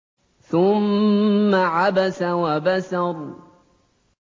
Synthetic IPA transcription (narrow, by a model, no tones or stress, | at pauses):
θʊmː | aʕabasawabasaɾ